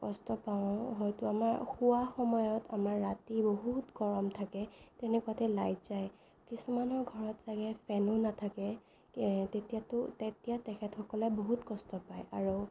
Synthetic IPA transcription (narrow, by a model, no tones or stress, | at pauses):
kɔstɔpaʊ̃ɦɔjtuamaɹxuwaxɔmɔjɔta̰maɹːatiboɦutɡɔɹɔmtʰakɛtɛnɛkuatɛlajtz̥aj | kisumanɔɹɡʱɔɹɔtz̥aɡɛpʰɛnunatʰakɛ | tetijatʊtetijatɛxʰɛtxɔkɔlɛboɦutkɔstɔpajaɹu